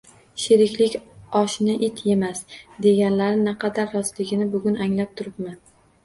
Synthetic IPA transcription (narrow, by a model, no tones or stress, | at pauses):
ʃeɾɪkʲlɪkʲɒʃnɪʔɪt̪ʰje̞masd̪e̞ɡʲanlaɾɪnaqʰɑd̪aɾːɒzlɪɡʲɪnɪbʊɡʲʊnaŋlap̚t̪ʰʊɾɪpmɪ